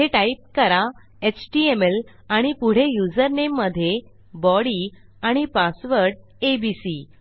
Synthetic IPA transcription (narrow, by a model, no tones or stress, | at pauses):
eʈaip̚kəɾa | et͡ɕʈiemel | aɽ̃ipuɽ̤ejud͡zəɾnemːəd̪ʱːje | bɔɽi | aɽ̃ipasʋəɾɖ | ebisi